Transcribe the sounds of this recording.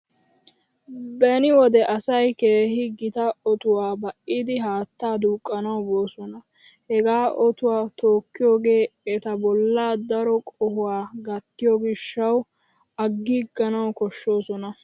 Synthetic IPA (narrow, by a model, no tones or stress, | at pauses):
bɛnɪwɔd̪ɛʔɐsɐjkeːhɪɡɪt̪ɐɔt̪ʊwaːbɐʔɪd̪ɪɦaːt̪ːaːd̪uːkʼːɐnɐwbo̞ːsɔnɐ | hɛɡaːʔɔt̪ʊwaːt̪oːkːɪjo̞ːɡe̞ːɛt̪ɐbɔlːaːd̪ɐɾɔkʼɔhʊwaːɡɐt̪ːɪjɔɡɪʃːɐw | ɐɡːɪɡɐnɐwkɔʃːo̞ːsɔnɐ